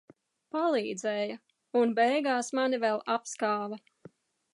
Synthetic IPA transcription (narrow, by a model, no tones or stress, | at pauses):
palˠiːd̪zɛːjɐ | unbɛjɡaːsmanivɛlˠapskaːvɐ